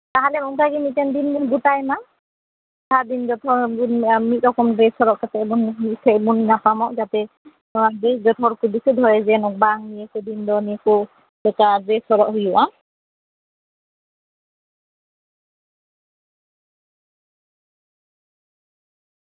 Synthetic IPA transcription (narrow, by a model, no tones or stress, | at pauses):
taɦalɛmumkʰaɡimitɛndinbuɡutajma | tʰadinzɔtʰɔunmit̚ɔkɔmdɹɛsɔɹɔʔkatɛbɔnsʰɛbunnapamɔʔzatɛ | ɔadeszɔtʰɔɹkubisudʱɔjɛzɛnɔk̚baŋniɛkudindɔnikɔ̥ | ɛkadɹɛsɔɹɔʔhujuʔa